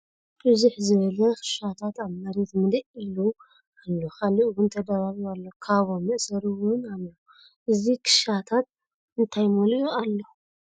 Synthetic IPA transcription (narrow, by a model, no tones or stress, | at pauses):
b̥ɨzuħzɨβɐlɐkʰɨ̥ʃat̪ʰat̪aβmɐɾet̪mɨlɐʔilu | alːokʰaliʔwʊnt̪ʰɐd̪ɐβaβalːokʰaβomɨʔsɐɾuwʊnalːo | ʔɨzikʰɨ̥ʃat̪ʰat̪̚ | ɨnt̪ʰajmolʔoalːo